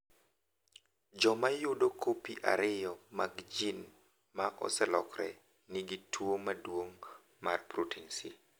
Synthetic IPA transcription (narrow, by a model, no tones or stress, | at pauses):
d͡ʒɔmajʊdokʰopiʔa̰ɾɪjɔmaɡd͡ʒin | maʔɔ̰sɛlɔ̰kɾɛ | niɡitʰwomadwoŋ | marpɾutʰinsḭ